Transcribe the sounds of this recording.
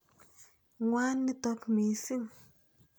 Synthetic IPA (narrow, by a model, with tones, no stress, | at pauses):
ŋwaː˦nːi˦tɔ˦kmi˨si˦˨m